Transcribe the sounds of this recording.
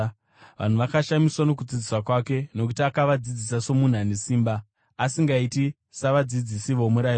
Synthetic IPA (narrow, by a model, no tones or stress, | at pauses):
ʋʔa̰n̤uʋakaʃamiswano̞k̬ud͡zid͡ziswakwake̞no̞k̬utiakaʋad͡zid͡zisaso̞mun̤anesiːmbaː | siŋɡaiti | saʋad͡zid͡zisiʋo̞muɾai